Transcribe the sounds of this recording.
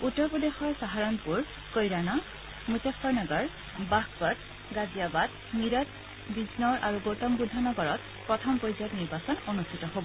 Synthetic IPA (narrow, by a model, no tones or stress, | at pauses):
utːɔɹpɔdexɔɹsaɦaɹɔnpuɹ | kojɹana | mutefɔɹnɔɡɔɹ | bakpɔd | ɡazijabad | miɹɔt̚ | biznɔɹʔaɹuɡotɔmbudʱːanɔɡɔɹɔt | pɹɔtʰɔmpojzɔkniɹbasɔnonustʰitɔɦobɔ